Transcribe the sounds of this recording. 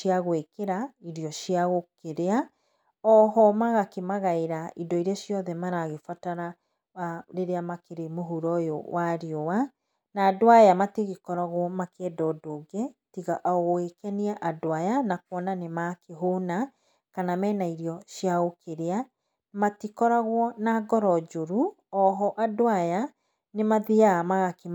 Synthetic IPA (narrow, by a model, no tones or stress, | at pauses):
ʃjaɣwekeɾaiɾiɔʃjaɣokeɾea | ɔɦɔmaɣakemaɣaeɾaidɔiɾaʃjɔðɛmaɾaɣefataɾa | aɾeɾeamakeɾemoɦuɾɔjo̰waɾeɔwa | naːdwajamateɣekɔɾaɣwɔmakɛːdɔdoɡɛtiɣaʔɔɣoekɛniaʔadoajanakwɔnanemakeɦona | kanamɛːnaiɾiɔʃiaokeɾea | matikɔɾaɣwɔnaɡɔɾɔd͡ʒoɾu | ɔɦɔʔadoaja | nemaðiamaɣake